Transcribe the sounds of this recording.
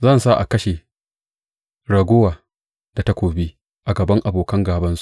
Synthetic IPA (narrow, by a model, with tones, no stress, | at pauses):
zɐ˦˨nsa˦ʔa̰˨kɐ˦ʃe˨ | ɽɐ˨ɡʷʊ˦waː˨ | da˨ta˦kʷoː˨bi˦ | ʔa˨ɡɐ˨bɐ˦ŋʔa˨boː˨kɐ˦ŋɡaː˨bɐ˦nsu̥˦˨